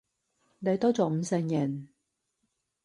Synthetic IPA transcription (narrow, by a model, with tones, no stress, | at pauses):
ne˨˧jt̪ɔː˥t͡sɔː˨m̩˨˧sɛː˧ŋjɐ˨˩n